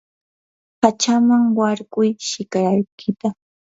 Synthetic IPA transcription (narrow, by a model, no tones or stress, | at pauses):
pat͡ʃamaŋwaɾkʊjʃɪkaɾajkʰɪt̪a